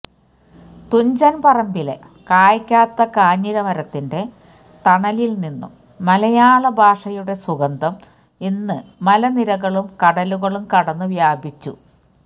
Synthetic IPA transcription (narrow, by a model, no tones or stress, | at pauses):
t̪uɲd͡ʑɐnpɐrɐmbile̞̰ | kaːjikʲːaːt̪ːɐkaːɲːiɾɐmɐɾɐt̪ːinde̞ | t̪ɐɳɐlilninːṵmː | ɐlɐjaːɭɐbʱaːʂɐjuɽe̞suɣɐnd̪ʱɐm | inːɨmɐlɐniɾɐɣɐɭumkɐɽɐluɣɐɭumkɐɽɐnːɨʋjaːbʱit͡ɕːṵ